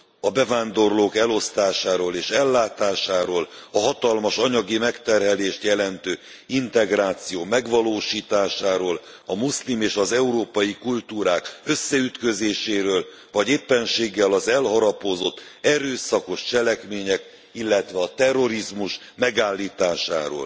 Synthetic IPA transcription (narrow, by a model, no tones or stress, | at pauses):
ɒbɛvaːnd̪o̞rloːkɛlo̞st̪aːʃaːɾoːleːʃɛlːaːt̪aːʃaːɾoːlɒɦɒt̪ɒlmɒʃɒɲɒɡimɛkt̪ɛrɦɛleːʃt̪jɛlɛnt̪øː | int̪ɛɡraːt̪sijoːmɛɡʋɒloːʃiːt̪aːʃaːɾoːl | ɒmuslimeːʃɒzɛuɾoːpɒjikult̪uːɾaːkø̞sːɛyt̪køzeːʃeːɾøːl | vɒɟeːpːɛnʃeːɡːɛlɒzɛlɦɒɾɒpozo̞t̪ːɛɾøːsɒko̞ʃt͡ʃɛlɛkmeːɲɛk | ilːɛt̪ʋɛɒt̪ɛrːo̞ɾizmuʃ | mɛɡaːlːiːt̪aːʃa̰ːɾo̰ːl